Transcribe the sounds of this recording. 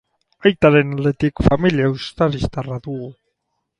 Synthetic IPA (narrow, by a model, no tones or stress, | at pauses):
ajt̪aɾe̞nald̪e̞t̪ikfamiliaust̪aɾist̪araðuɣu